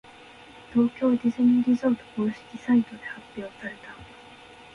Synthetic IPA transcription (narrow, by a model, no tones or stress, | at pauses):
t̪oːkʲjo̞d̪izɯɲĩŋɾʲizot̪opoɕi̥kʲisait̪od̪e̞hap͈ːjoosaɾe̞t̪a